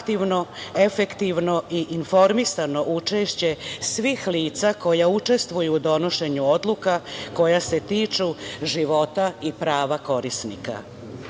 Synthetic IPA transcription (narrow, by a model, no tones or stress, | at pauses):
kt̪iʋno̞e̞fe̞kt̪iʋno̞iʔinfo̞ɾmisano̞ʔut͡ʂe̞ʃt͡ɕe̞sʋixliːt̪sako̞jaut͡ʂe̞st̪ʋujuːd̪o̞no̞ʃe̞ɲuo̞d̪lˠukako̞jase̞t̪iːt͡ʃuʒiʋo̞t̪aipɾaːʋako̞ɾisnḭka̰